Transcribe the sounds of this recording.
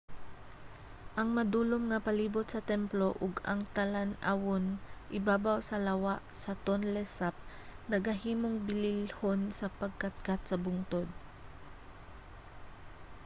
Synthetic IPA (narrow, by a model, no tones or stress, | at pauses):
ʔɐŋmɐd̪uːlomŋɐpɐliːbʊt̪̚sɐt̪ɛmploʔʊɡɐ̰ŋt̪alanawonʔɪbaːbawsɐlɐwaʔsɐt̪onlɛsap̚nɐɡɐɦiːmoŋbɪlɪlhonsɐpɐɡ̚kat̪̚kat̪̚sɐbʊŋt̪od̪̚